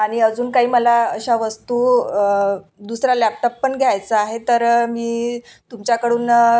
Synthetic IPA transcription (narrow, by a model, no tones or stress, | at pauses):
aɽ̃iəd͡zuːnkaɦiːməlaəɕaʋəst̪uː | d̪usɾalæp̚ʈɔpːəɳɡʱjajt͡səaɦet̪əɾmiːt̪umt͡ɕjakəɽuːn